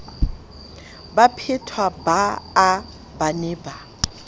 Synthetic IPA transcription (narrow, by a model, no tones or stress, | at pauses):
bapʰɪtʰwabaː | banɪːba